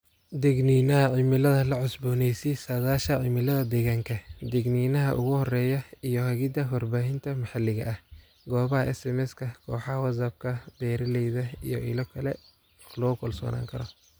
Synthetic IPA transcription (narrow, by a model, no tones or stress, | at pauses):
d̪ɛɡniːnɐɦɐʕɪmɪlɐðɐlɐʕʊsbɔːnɛjsisɐðaːʃɐʕɪmɪlɐðɐd̪ɛɣaːŋkʰɐd̪ɛɡniːnɐɦɐ̰ʔʊ̰ɣʊhɔrɛːjɐijɔhɐɣɪd̪ɐwɐrbaːɦɪnt̪ʰɐmɐħɑlɪɣɐ̰ʔɐh | ɡɔːβɐhɐʔɛ̰sɛmɛskʰɐkʰɔːħɑwɐsɐb̚kʰɐb̪̥ɛːɾɐlɛjðɐḭjɔʔɪ̰lɐkʰɐlɛ | lɔːkʰɔlsɔ̰ːna̰ːŋkʰɐɾɔ